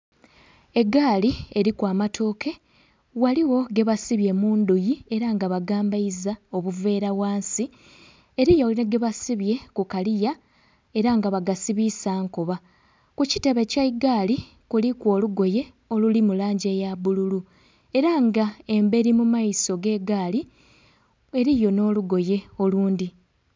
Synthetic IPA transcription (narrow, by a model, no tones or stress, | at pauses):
e̞ɡaːlie̞ɾikwaːmatʰo̞ːkʰe̞ | waliwo̞ɡe̞βasiβje̞muːnd̪ujie̞ɾaŋɡaβaɡaːmbaizao̞βuve̞ːɾawaːnsi | e̞ɾijoeɡe̞βasiβje̞kukalija | e̞ɾaŋɡaβaɡasiβisaːŋkoβa | kucite̞βecaiɡali | kulikwo̞ːluɡo̞je̞ | o̞lulimulaːɲɟe̞ːjaβululu | e̞ɾaŋɡae̞mbe̞ɾimumaiso̞ɡe̞ːɡaːli | e̞ɾijo̞no̞ːluɡo̞je̞o̞luːndi